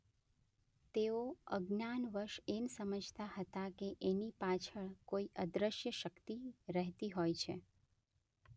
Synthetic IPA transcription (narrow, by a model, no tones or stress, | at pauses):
t̪eoə̰ɡnanʋəɾʃensəməd͡ʒʱt̪ahət̪akeʔenipat͡ʃʰəɭkoiʔəd̪ɾəʃjəʃəkt̪iɾəɦt̪iɦojt͡ʃʰḛ